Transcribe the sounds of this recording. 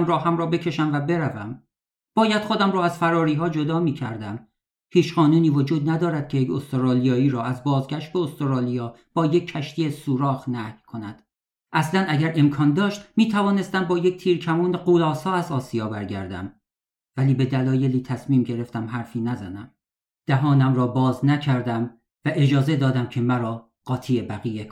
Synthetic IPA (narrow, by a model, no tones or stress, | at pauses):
mɾɒːɦæmɾɒːbe̞cʰe̞ʃæmvæbe̞ɾævæm | b̥ɒːjæd̪̥χo̞d̪æmrɒːæz̥fæɾɒːɾiːɦɒːd͡ʒo̞d̪ɒːmiːcʰæ̰ɾd̪æm | hiːt͡ʃʰɢɒːnuːniːvod͡ʒuːd̪næd̪ɒːɾæd̪̚cʰe̞jecost̪oɾɒːlijɒːiːɾɒːæzbɒːzɡʲæʃt̪̚be̞ost̪oɾɒːlijɒːb̥ɒːjecʰːæʃt̪ʰiesuːɾɒːɣnæhjkʰo̞næd̪̥ | ʔæslænæɟæɾe̞mkʰɒːnd̪ɒːʃt̪miːt̪ʰævɒːne̞st̪æmbɒːje̞c̚t̪ʰiːɾkʰæmuːneɢolɒːsɒːæzɒːsijɒːbæɾɟæ̰ɾd̪æ̰m | væliːbe̞d̪ælɒːje̞liːt̪ʰæsmiːmɟe̞ɾe̞ft̪æmɦæɾfiːnæzænæm | d̪̥æɦɒːnæmɾɒːbɒːznæcʰæɾd̪æm | væʔe̞d͡ʒɒːze̞d̪ɒːd̪æmcʰe̞mæɾɒː | ɢ̥ɒːt̪ʰiːebæɣiːjek